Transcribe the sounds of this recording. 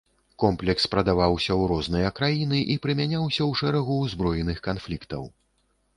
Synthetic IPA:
kɔmplʲɛkspɾɐd̪avawsʲɐwɾɔznɨjɐkɾajinɨʔipɾɨmʲanʲawsʲɐwʂɛɾɐɣuːzbɾɔjɛnɨxkanflʲikt̪ɐ̰w

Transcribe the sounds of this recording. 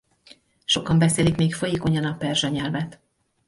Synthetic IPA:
ʃo̞kɒmbɛseːlikmeːkfo̞jeːko̞ɲɒnɒpɛrʒɛɲɛlvɛt̪

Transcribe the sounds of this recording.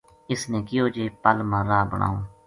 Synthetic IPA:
ɪsnẽːkɪjoːd͡ʒeːpəlmãːɾaːbəɳ̃ʔa̰ːoː

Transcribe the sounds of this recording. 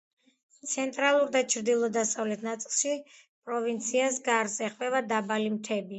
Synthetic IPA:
t̪sʰɛnt̪ʼɾalˠuɾd̪at͡ʃʰɾd̪ilˠɔd̪asavlɛt̪ʰnat̪sʼilˠʃi | pʼɾɔvint̪sʰiasɡaɾzɛχvɛvad̪abalimt̪ʰɛbi

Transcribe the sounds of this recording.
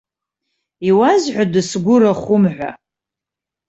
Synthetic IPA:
iwazħʷadɨsɡʷʊɾaχʷʊmħʷa̰

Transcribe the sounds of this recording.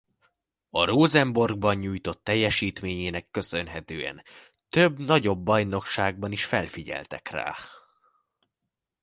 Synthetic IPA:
ɒroːzɛmbo̞rɡ̚bɒɲɲuːjt̪o̞t̪ːɛjːɛʃiːt̪meːɲeːnɛkːø̞sø̞nɦɛt̪øːɛ̰n | t̪øbnɒɟo̞bːɒjno̞kʃaːɡ̚bɒniʃfɛlfiɟɛ̰lt̪ɛ̰kra̰ː

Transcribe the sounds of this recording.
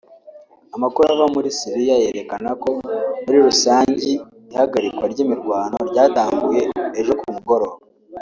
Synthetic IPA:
amakuɾaβamuɾisiɾijaje̞ɾe̞kanako̞muɾiɾusaːɲɟi | ihaɡaɾikwaɾɟiːmiɾɡwaːno̞ɾɟaːtaːŋɡuje̞ːʒo̞kumuɡo̞ɾo̞ːβa

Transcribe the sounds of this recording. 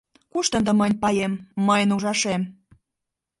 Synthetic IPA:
kuʃt̪ə̆nd̪ə̆mənʲpɑjemːəjənuʒɑʃem

